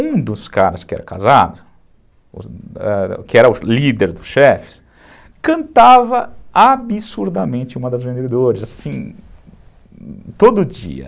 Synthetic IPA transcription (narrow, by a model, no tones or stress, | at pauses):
ũd̪ʊska̰ɾɐskɪɛ̰ɾɐka̰zad̪ʊ | ʊ̰ɛkɪɛɾɐʊlid̪eɾd̪ʊsʃɛfɪ̥s | kɐ̃nt̪avɐabisuɾd̪ɐmẽnt͡ʃɪũmɐd̪ɐzvẽnd̪ed̪oɾɪzasĩ | t̪od̪ʊd͡ʒḭɐ̰